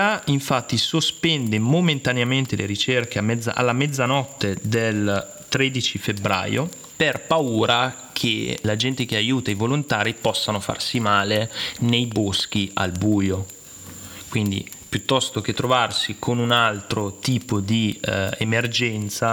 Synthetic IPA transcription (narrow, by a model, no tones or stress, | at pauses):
aiɱfat̪ːisospɛnd̪emoment̪aneament̪elʔḛɾit͡ʃerkeamːɛd̪zːa̰ʔa̰lːamɛd̪zanɔt̪ːed̪el | t̪ɾed̪it͡ʃifebɾa̰ːjo̰ | perpauːɾa | kʰḛlad͡ʒɛnt̪ek̟eajuːt̪aivolont̪aːɾipɔsːanofa̰rsimaːlenejbosk̟ia̰lbuːjo | kwind̪ḭ | pjut̪ːɔst̪ok̟et̪ːɾovarsikʰonunalt̪ɾot̪iːpod̪iemerd͡ʒɛnt̪sa